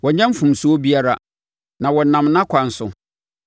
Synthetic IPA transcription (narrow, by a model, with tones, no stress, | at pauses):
wɔ˨ɲã˦m̩˦fũ˨msu˨˦o˦bi˦a˦ɾa˦˨ | nã˨wɔ˨nã˨mnã˦kʰʷã˨n̩˨sʊ̰˨